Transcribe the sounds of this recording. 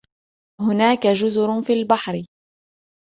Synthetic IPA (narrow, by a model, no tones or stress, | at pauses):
hʊnaːkad͡ʒʊzʊɾʊfiːlbaħɾɪ